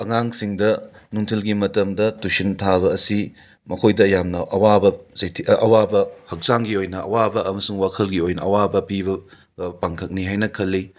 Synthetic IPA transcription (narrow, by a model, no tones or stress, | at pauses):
ɐŋaŋsiŋdɐ | nuŋtʰilɡimɐtɐmdɐtusintʰaβɐːsi | mɐkʰojdɐjamnɐʔɐwabɐzɐjtʰiʔɐwabɐhɐk̚saŋɡiojnɐɐwabɐɐmɐsuŋwakʰɐlɡiojnɐɐwabɐpibɐ | paŋkʰɐk̚niɦajnɐkʰɐlːi